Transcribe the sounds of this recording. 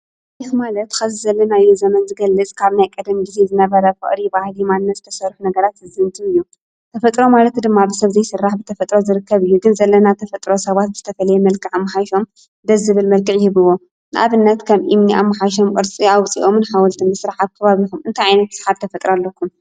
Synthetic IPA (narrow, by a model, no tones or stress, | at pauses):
jit̪malɐt̪kʰɐzizɐlːɐnajːozɐmɐnzɨɡɐlːɨt͡sʼkʰaβnajkʼɨd̪mɡize̞zɨnɐβɐɾɐfɨ̰χʼɾibahlimanːɐzɨt̪ʰɐsɐɾħnɐɡɐɾat̪hɨzɨnt̪ʰiɨjːu | t̪ʰɐfɐt̪ʼɾo̞malɐt̪d̪ɨmːabɨsɐβzɐjsɨrːaħbɨt̪ʰɐfɐt̪ʼɾo̞zɨɾɨkːɐβɨjːuɡɨnzɐlːɐnat̪ʰɐfɐt̪ʼɾo̞sɐβat̪̚zɨt̪ʰɐfɐlɐjɛmɐlkʰɨʕamːaħajʃo̞m | d̪ɐzɨβɨlmɐlkʰɨʕjɪhɨβɨwːo̞ | nɨʔa̰βɨnːɐt̪kʰɐmʔimniʔa̰mːaħajʃ̬omkʼɨɾt͡sʼiawt͡sʼḭʔo̞mnħawɔlt̪ʰimbɨsɾaħaβ̚kʰɐβaβikumɨnt̪ʰajʕajnɐt̪̚sħabt̪ʰɐfɐt̪ʼɾalːɐkʰːum